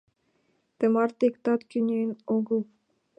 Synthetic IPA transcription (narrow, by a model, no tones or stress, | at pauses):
t̪emɑrt̪ekt̪ɑt̪kʲynʲenoɡɤlˠ